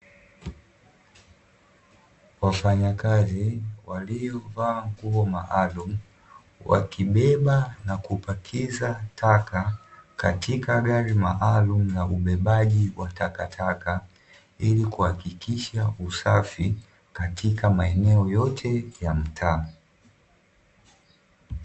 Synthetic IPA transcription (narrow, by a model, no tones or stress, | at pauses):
wafaɲakaziwalijɔvaːŋkuɔmaʔalum̩ | wa̰kiɓɛɓanakupakʰizatʰakakatʰikaɠaɾimaʔalumunauɓɛɓaʄiwʔatakatʰaka | ilikuhakikiʃausafi | katʰikamaɛnɛɔjɔtʰɛjam̩tʰaː